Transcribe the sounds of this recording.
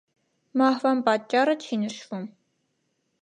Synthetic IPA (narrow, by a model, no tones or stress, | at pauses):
mɑhvɑnpɑd̪̚t͡ʃʼːɑrət͡ʃʰinəʃvum